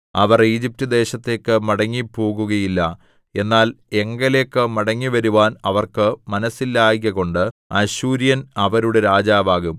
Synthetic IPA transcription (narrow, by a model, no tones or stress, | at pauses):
ɐʋɐriːd͡ʑip̚tɐd̪e̞ːɕɐt̪ːe̞ːkːɨmɐɽɐŋːipːo̞ːɣuɣɐjilːɐ | e̞nːaːle̞ŋɡɐle̞ːkːɨmɐɽɐŋːiʋɐɾuʋaːnɐʋɐrkɨmɐnɐsːilːaːjiɣɐɣo̞ɳɖɨɐɕuːɾjɐnɐʋɐɾuɽe̞ɾaːd͡ʑaːʋaːɣum